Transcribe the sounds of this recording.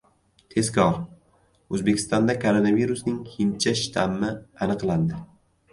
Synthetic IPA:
t̪ʰe̞skʲʰɒɾ | ɵzbe̞kʰʲɪ̥st̪ɒnd̪akʰoɾonaviɾusnɪŋʰɪnt͡ʃʰaʃɪ̥t̪ʰamːɪanɨqlˠand̪ɪ

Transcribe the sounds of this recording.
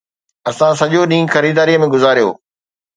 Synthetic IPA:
ɐsãs̬ɐʄoɗĩːxɐɾiːd̪aːɾijəmẽɡʊzaːɾijo̰ː

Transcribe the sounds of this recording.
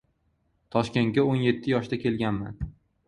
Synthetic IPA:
t̪ʰɒʃkʲe̞nt̪̚ɡʲaonje̞t̪ʰːɪjɒʃd̪akʲʰe̞lɡʲanma̰n

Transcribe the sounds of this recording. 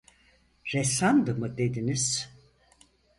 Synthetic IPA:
ɾesand̪ɯmɯd̪ed̪iniz̥

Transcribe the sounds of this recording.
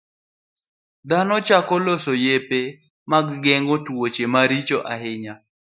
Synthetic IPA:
d̪anɔt͡ʃakɔlosojepe | maɡːɛŋɡotwot͡ʃemaɾit͡ʃoʔaɦɪɲa

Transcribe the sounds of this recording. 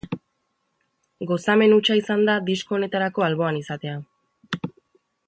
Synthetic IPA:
ɡo̞same̞nut͡ʃaisand̪ad̪isko̞ːne̞t̪aɾako̞alβo̞anisat̪e̞a

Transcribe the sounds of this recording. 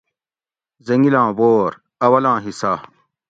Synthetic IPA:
zɐŋɡilãːboːɾ | ɐwɐlãːɦisa

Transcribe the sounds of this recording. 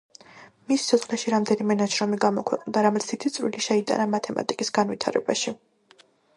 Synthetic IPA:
missʰɔχlɛʃiɾamd̪ɛnimɛnaʃɾɔmiɡamɔkʰwɛqʼnd̪aɾamɛsʰit̪ʰit̪sʼwḭliʃɛid̪ʼa̰namat̪ʰɛma̰t̪ʼikʼisɡanwit̪ʰaɾɛ̰baʃi

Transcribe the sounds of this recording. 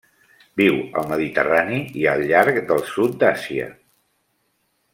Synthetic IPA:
biwə̰lˠməðit̪ə̰raniiəlˠʎːaɾkd̪əlˠsut̪̚d̪asiə̰

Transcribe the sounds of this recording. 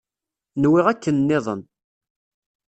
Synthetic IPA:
nwɪʁækːənːɪðˤə̰n

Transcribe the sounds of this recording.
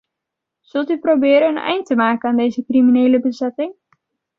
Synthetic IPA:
z̥ɵlˠtyprowbɪːɾənənɛ̰jntəmaːkənaːndejzəkriminejləbəzɛtɪŋ

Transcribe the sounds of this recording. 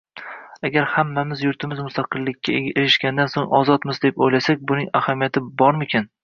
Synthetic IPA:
aɡʲaɾhamːamɪzjʊɾt̪ʰɪmɪzmʊst̪ʰaqʰɨlːɪkʲʰːaeɾɪʃkʲand̪ansoŋɒzɒt̪mɪzd̪epojlasakʲbʊnɪŋahamijat̪ʰɪbɒɾmɪkʲʰan

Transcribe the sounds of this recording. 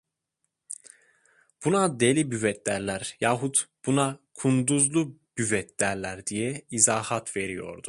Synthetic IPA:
b̥unad̪elʲibyvɛt̪læɾlʲæɾjɑːɦut̪b̥unakʰund̪uzlˠub̥yvɛt̪ʰlæɾlʲæɾd̪ijɛizaːhat̪ʰve̞ɾijo̞̰ɾd̪u

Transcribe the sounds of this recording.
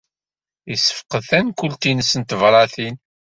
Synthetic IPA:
isə̥fqəðθænkʷʊlt̪inəsːənt̪əvɾˤɑθin

